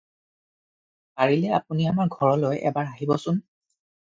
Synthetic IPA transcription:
paɹilɛa̰puniamaɹɡʱɔɹɔlojɛ̰baɹaɦibɔsʊn

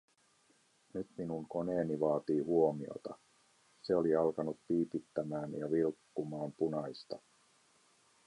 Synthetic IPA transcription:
nyt̪minuŋko̞ne̞ːniʋɑːt̪iːɦuo̞mio̰t̪ɑ | se̞o̞liɑlkɑnut̪piːpit̪ːæmæːnjɑʋilkːumɑːmpunɑjst̪ɑ

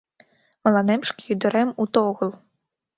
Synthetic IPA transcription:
mɐlˠanɛmʂkʲijud̪ɔɾɛmut̪ɔɣɔlˠ

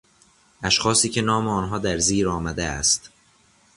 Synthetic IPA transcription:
ʔæʃxɒːsiːcʰe̞nɒːmeɒːnɦɒːd̪æɾziːɾɒːmæd̪eæ̰st̪

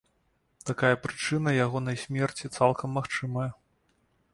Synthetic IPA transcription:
t̪akajɐpɾɨt͡ʂɨnɐjaɣɔnɐjsʲmʲɛrt͡sʲit̪salˠkɐmːaxt͡ʂɨmɐjɐ

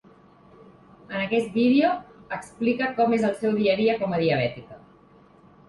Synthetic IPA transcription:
ənəkɛst̪̚biðeoəksplikəkɔmezəlˠsɛwðiəɾiəkɔməðiəβ̞ɛt̪ikə

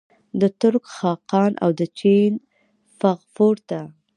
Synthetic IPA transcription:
d̪ət̪ʊɾkxɑqɑnʔa̰wd̪ət͡ʃin | faɣfoɾt̪a

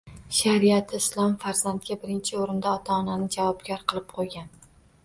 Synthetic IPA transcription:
ʃaɾiat̪ʰɪɪslˠɒmfaɾzand̪̚ɡʲabɪɾɪnt͡ʃʰɪoɾɪnd̪aɒt̪ʰaːnanɪd͡ʒavɒbɡʲaɾqʰɨlˠɪp̚qʰojɡʲan

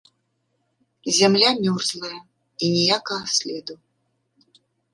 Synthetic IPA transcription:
zʲamlʲamʲɔrzlˠɐjɐ | inʲɛjakɐɣɐsʲlʲɛd̪u

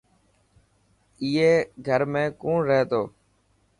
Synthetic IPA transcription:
iːeːɡʱəɾmẽːkõːɾɛɦt̪oː

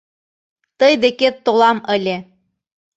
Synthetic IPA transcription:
t̪ɤjd̪eket̪ːolɑmə̆lʲe

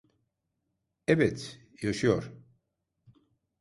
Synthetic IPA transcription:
ɛbɛt̪ | jaʃɯjoɾ̥

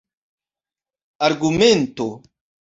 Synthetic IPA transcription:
aɾɡument̪o

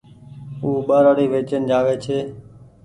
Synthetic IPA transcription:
uːɓəɾəɽiːʋeːt͡ʃənd͡ʒaːʋeːt͡ʃʰeː

